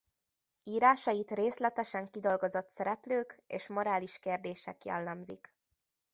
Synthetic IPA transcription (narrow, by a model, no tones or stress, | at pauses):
iːɾaːʃɒjit̪reːslɛt̪ɛʃɛŋkid̪o̞lɡo̞zo̞t̪sɛɾɛpløːkḛːʃmo̞ɾaːliʃkeːrd̪eːʃɛ̰kjɛ̰lːɛmzḭk